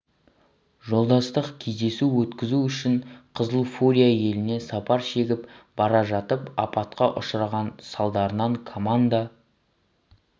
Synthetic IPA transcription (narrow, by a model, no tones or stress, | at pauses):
ʒo̞lˠd̪ɑst̪əqkʲʰe̞zd̪e̞suwɵt̪kʲɪzuʏʃɪɴqʰəzəlˠfoɾʲijaje̞lɪne̞sɑpʰɑɾʃe̞ɡʲɪpb̥ɑɾɑʒɑt̪əpɑ̰pɑt̪qɑʔʊʃɾɑʁɑnsɑlˠd̪ɑɾənɑɴkʰomand̪a